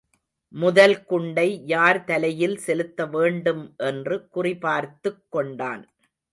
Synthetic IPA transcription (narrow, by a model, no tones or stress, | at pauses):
mʊðɐlkʊɳɖɐɪjaːɾt̪ɐlɐjɪlsɛlɯt̪ːɐʋeːɳɖɯmʔɛndrɯkʊrɪpaːɾt̪ɯkːɔɳɖa̰ːn